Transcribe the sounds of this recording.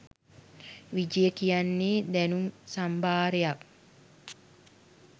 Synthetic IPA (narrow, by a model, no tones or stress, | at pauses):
ʋid͡ʒijəkijanːeːd̪ænumsambaːɾejak̚